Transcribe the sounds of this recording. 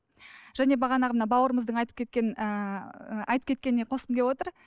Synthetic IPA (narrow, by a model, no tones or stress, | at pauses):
ʒ̥æne̞bɑʁɑnɑʁmənɑbɑwəɾəməzd̪əɴɑjt̪ə̥pkʲʰe̞t̪kʲe̞nə | ɑ̰jt̪əp̚kʰʲe̞t̪kʲe̞nɪne̞qʰo̞səmkʲepwo̞t̪əɾ